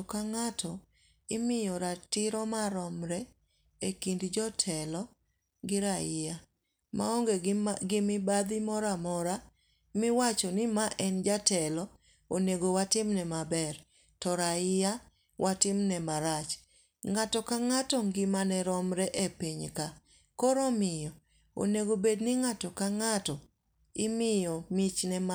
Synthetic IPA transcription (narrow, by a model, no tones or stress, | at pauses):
ɔkaŋatʰɔ | ɪmɪjɔɾatɪɾɔmaɾɔmɾɛ | ekindd͡ʒɔtʰɛlɔ | ɡɪɾaɪja | ma̰ɔŋɡeɡɪmɪbad̪ɪmɔɾamɔɾa | mɪwat͡ʃɔnɪmaʔɛnd͡ʒatɛlɔ | oneɡowatɪmnɛmabɛr | tɔɾaɪja | wʔatɪmnɛmaɾat͡ʃ | ŋatɔkaŋatɔŋɡɪmanɛɾɔmɾɛʔepiɲka | koɾomɪjɔ | o̰neɡobednɪŋatɔkaŋatɔ | ɪmɪjɔmit͡ʃnɛm